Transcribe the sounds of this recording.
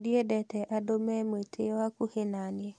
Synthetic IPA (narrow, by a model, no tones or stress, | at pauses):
diɛdɛtɛʔadomɛmetʰewakuhenaniɛ